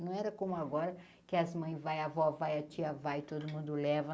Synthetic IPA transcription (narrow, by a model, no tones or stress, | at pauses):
nɐ̃w̃ɛɾɐkõmʊaɡɔɾɐ | kɪɐzmɐ̃j̃vajavɔvajɐt͡ʃiɐvajt̪od̪ʊmũnd̪ʊlɛvɐ